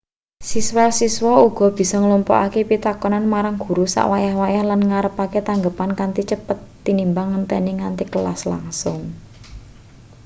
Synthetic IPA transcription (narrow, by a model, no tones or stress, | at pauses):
siswasiswɔuɡ̥ɔ̤b̥i̤sɔŋlumpɔ̰ʔa̰kepit̪akɔnanmaɾaŋɡ̥ṳɾusa̰ʔwajahwajahlanŋaɾəpaket̪aŋɡəpankant̪it͡ʃəpət̪ːinimbaŋːənp̪ɛniŋant̪ikəlasla̰ŋsʊŋ